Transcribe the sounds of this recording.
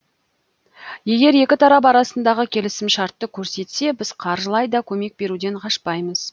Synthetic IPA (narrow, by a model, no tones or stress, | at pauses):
je̞ɡʲe̞ɾje̞kʲɪt̪ʰɑɾɑp̬ɑɾɑsənd̪ɑʁəkʲʰe̞lɪsɪmʃɑɾt̪ːəkʲʰɵɾse̞t̪se̞bɪz̥qʰɑɾʒəlˠɑjd̪ɑkʲʰɵme̞k̚be̞ɾud̪e̞ɴqʰɑʃpɑjməz̥